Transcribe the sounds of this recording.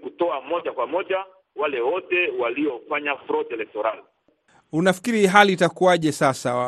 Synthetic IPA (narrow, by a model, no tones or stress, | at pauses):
kutɔamɔʄakwamɔʄa | walɛwɔtɛwaliɔfaɲafɾɔdɛlɛk̚tɔɾali | unafi̥kiɾiɦaliːtakuaʄɛsasa